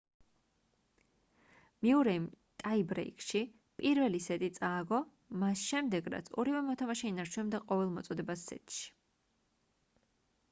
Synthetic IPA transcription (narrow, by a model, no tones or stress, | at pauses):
miuɾɛmt̪ʼaibɾɛ̰ikʼʃi | pʼiɾvɛlisɛt̪ʼit̪sʼaːɡɔ | masʃɛmd̪ɛɡɾa̰t̪sʰɔ̰ɾivɛmɔt̪ʰamaʃɛinaɾt͡ʃʰunɛmd̪aqʼɔvɛlˠmɔt̪sʼɔd̪ɛbasːɛ̰t̪ʼʃi̥